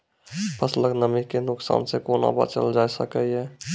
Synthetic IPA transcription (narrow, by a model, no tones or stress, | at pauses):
pəsləknəmikːenʊksa̰ːnsekoːna̰ba̰t͡ʃə̰ld͡ʒaːisəkəɦɛː